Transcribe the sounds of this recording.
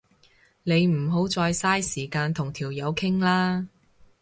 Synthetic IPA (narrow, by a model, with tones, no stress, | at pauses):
ne˨˧jm̩˨˩ɦo˨˥wt͡sɔː˧jsaː˥jsiː˨˩kaː˧nt̪ʰʊ˨˩ŋt̪ʰiː˨˩wjɐ˨˧wkʰɪ˥ŋlaː˥